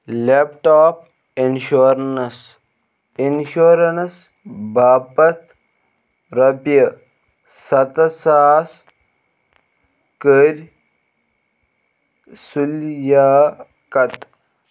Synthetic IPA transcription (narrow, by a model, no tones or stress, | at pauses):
lepʈaːp | inʃoɾnɐs | inʃoɾɐnɐs | bʱaːpɐt̪ | ɾɐpjə | sɐt̪ɐsaːs | kəɾʲ | suljaː | kɐt̪